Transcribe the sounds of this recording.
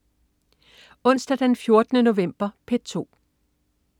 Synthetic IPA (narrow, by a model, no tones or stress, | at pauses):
ɔ̽n̰sd̥æd̥ænfjo̝ɐd̥ənəno̝ʋem̰b̥ɐpʰed̥̚t͡sʰo̝̰ː